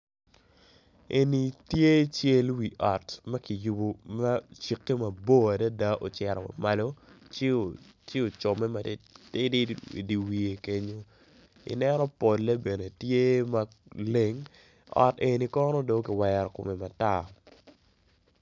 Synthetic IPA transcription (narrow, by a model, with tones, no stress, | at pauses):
ʔe˨ni˨tje˦t͡ʃje˦lwi˨ʔɔ˨tma˦ki˨ju˨bo˨ma˦t͡ʃi˨kːe˦ma˨bo˦a˨da˦da˦ʔo˨t͡ʃɛ˨ɾɔ̰˨ma̰˨ma˨lo˦t͡ʃɪ˦o˨t͡ʃɪ˦o˨t͡ʃɔ˨mɛ˦mate˦d̰di˨wi˨e˨ke˦ɲo˦ | ḭ˨nɛ˦nɔ˦po˨lːe˦be˨ne˨tje˦ma˦ | le˦ŋ | ɔ̰˨te˨ni˨kɔ˦nɔ˦do˨˦kɪ˨wɛ˨ɾɔ˨kʊ˨me˨ma˨ta˦˨